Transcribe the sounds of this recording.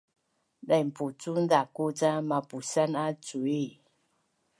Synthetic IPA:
dajmput͡sundakut͡samapusanat͡sui

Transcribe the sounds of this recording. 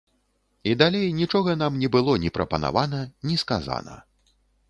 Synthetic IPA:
id̪alʲejnʲit͡ʂɔɣɐn̪amnʲɛbɨlˠɔnʲɛpɾɐpɐna̰vanɐnʲiskaza̰nɐ̰

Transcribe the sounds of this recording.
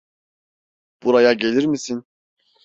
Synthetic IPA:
b̥uɾajaɟe̞lʲiɾmisin

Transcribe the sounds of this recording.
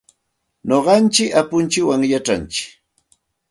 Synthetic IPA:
ɲoɢɑnt͡ʃɪkapʊnt͡ʃɪwaŋjaʈ͡ʂa̰nt͡ʃɪ̥

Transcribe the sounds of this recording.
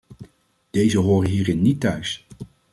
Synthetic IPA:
d̥ejzəɦoːɾəɦiːɾɪnːitœɥs

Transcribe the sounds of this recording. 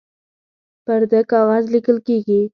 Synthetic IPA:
paɾd̪akɑwɑzlɪkəlkeɡi

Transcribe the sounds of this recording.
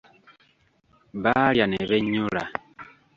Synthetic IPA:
βaljaneβeɲula

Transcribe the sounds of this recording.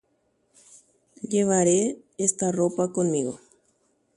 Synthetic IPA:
ʎeβaɾe | est̪aropakonmiɣo̰

